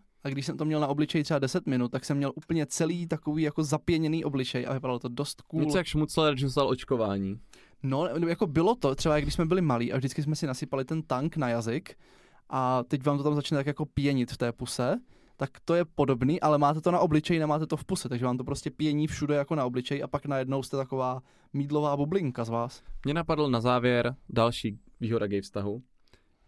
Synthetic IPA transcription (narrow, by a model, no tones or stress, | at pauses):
ʔaɡdɪʃsɛmt̪omɲɛlnaʔo̞blɪt͡ʃɛjt̪r̥ɛbadɛsɛt̪mɪnut̪̚t̪ːaksɛmːɲɛlʔuːpl̩ɲɛt͡sɛliːt̪akoviːjako̞zapɪjɛɲɛniːʔo̞blɪt͡ʃɛjʔa̰vɪpadalot̪o̞dost̪kuɲɛlt͡sjakʃmut͡slɛɾɛd͡ʒst̪alʔot͡ʃkova̰ːɲiː | nonjako̞bɪlot̪o̞t̪r̥ɛbajaɡdɪʃsmɛbɪlɪmaliːʔa̰vʒdɪt͡skɪs̬mɛsɪnasɪpalɪt̪ɛnt̪aŋknajazɪk | ʔat̪ɛcvaːmt̪ot̪amzat͡ʃnɛt̪akjako̞pjɛɲɪt̪ft̪ɛːpusɛ | t̪akt̪o̞jɛpo̞do̞bniːʔalɛmaːt̪ɛt̪onaʔo̞blɪt͡ʃɛjɪnɛmaːt̪ɛt̪o̞fpusɛt̪aɡʒɛvaːmt̪opɾoscɛpjɛɲiːfʃudɛjakonao̞blɪt͡ʃɛjʔapaknajɛdno̞wst̪ɛt̪akovaː | miːdlo̞vaːbublɪŋkazvaːsmɲɛnapadl̩nazaːvjɛɾdalʃiːviːɦoɾaɡɛjfst̪aɦu